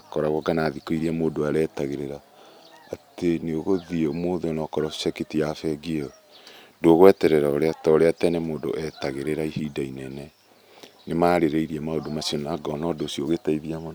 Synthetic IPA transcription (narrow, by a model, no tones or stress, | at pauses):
kɔɾaɣwɔɡanaːðikoiɾiamoːdoaɾɛːtaɣeɾeɾa | ateneoɣoðiɔmoðeɔnɔkɔɾɔsɛkitijafɛɡiɔ | ndoɣwɛtɛɾɛɾaoɾeatɔoɾeatɛnɛmoːndo̰ʔɛtaɣeɾeɾaihidainɛnɛ | nemaːɾeɾeiɾiamaodomasiɔnnaɡɔnɔdosioɣetaiðiamɔn